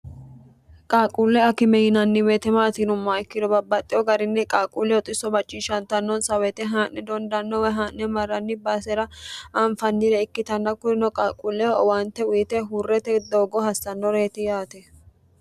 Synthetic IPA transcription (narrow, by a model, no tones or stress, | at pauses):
kʼaːkʼulːɛɐkɪmɛjɪnɐnːɪwɛt̪ɛmaːt̪inʊmːɐɪkːɪd̪ɔbɐbːɐt̪ʼːɪɔɡɐɾɪnːɛkʼaːkʼulːɛwɔt̪ʼɪsɔbɐt͡ʃʼːiːʃɐnt̪ɐnːɔnsɐwɛt̪ɛɦaːʔnɛd̪ɔnd̪ɐnːɔwɛɦaːnnɛmɐrːɐnːɪbaːsɛɾɐʔaɱfɐnːɪɾɛɪkːɪt̪ɐnːɐkʊɪnɔkʼaːkʼulːɛwaːnt̪ːɛʊjɪt̪ɛɦʊrːɛt̪ɛd̪o̞ːɡɔhɐsːɐnːɔɾe̞ːt̪ɛjaːt̪ɛ